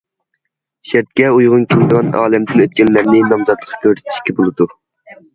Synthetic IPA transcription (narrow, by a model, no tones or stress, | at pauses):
ʃæɾt̪̚kʲɛujʁʊnkʲʰild̪ɨʁɑnɑːlɛmd̪ɪnøt̪̚kʲɛnːæɾnɪnɑmzɑt̪lˠəqʰːkʲʰøɾsɪ̥t̪ʰɪ̥ʃkʲɛbolˠɨd̪u